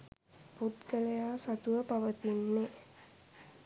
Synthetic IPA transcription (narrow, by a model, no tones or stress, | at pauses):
put̪kəlejaːsat̪uʋəpaʋət̪inːe